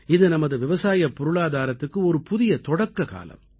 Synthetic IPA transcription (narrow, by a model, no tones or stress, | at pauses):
ɪðɯnɐmɐðɯʋɪʋɐsaːjɐpːɔɾɯɭaːðaːɾɐt̪ːɯkːɯɔɾɯpʊðɪjɐt̪ɔɽɐkːɐka̰ːlɐ̰m